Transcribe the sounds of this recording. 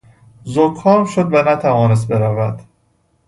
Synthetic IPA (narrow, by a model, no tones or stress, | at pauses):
zokʰːɒːɾmʃod̪vænæt̪ʰævɒːnes̬t̪̚be̞ɾævæd̪̥